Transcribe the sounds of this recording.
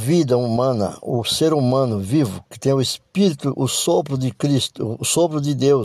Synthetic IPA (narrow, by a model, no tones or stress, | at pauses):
vid̪ɐumɐ̃nɐ̰ʊseɾumɐ̃nʊvivʊkɪ̥t̪ẽj̃ʊespiɾit̪ʊʔʊsopɾʊd̪ɪkɾist̪ʊːsopɾʊd̪ɪd̪ew